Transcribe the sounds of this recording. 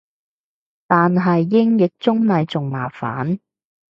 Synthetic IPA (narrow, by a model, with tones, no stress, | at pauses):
t̪aː˨nɦɐ˨jːɪ˥ŋjɪ˨k̚t͡sʊ˥ŋnɐ˨˧jt͡sʊ˨ŋma̰ː˨˩fa̰ː˨˥n